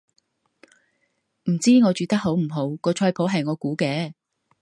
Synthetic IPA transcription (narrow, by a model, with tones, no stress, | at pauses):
m̩˨˩t͡siː˥ŋɔː˨˧t͡ʃyː˨t̪ɐ˥k̚ɦo˨˥wm̩˨˩ɦo˨˥wkɔː˧t͡ʃʰɔː˧jpʰo˨˥wɦɐ˨jŋɔː˨˧kuː˨˥kɛː˧